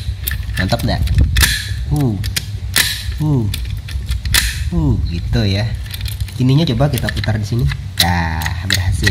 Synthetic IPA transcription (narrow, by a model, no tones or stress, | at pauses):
nɔnt̪ɔk̚daʔ | u | u | uɡit̪uja | kiniɲat͡ʃobakit̪aput̪ardisini | jahbərɦasɪ